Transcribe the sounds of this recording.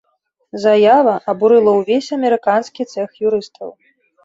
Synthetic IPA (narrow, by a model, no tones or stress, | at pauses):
zajavɐʔɐbuɾɨlˠɐwvʲesʲɐmʲɛɾɨkanskʲit̪sɛxjuɾɨst̪ʰɐw